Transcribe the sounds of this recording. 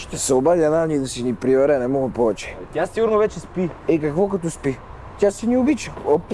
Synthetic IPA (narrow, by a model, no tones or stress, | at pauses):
t̪ɛsɛobad̪ʲiɐnanit̪osinipɾivɛɾɛnɛmɔɡəpɔvɛt͡ʃɛ̥t̪ʲasiɡʊɾnovɛt͡ʃɛspiɛkɐkvɔkɐt̪ɔspi | t̪jasɛniʊbit͡ʃəo